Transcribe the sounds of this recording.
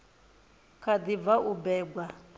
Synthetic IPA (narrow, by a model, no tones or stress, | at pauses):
kʰad̪ivaʔubɛːɡwa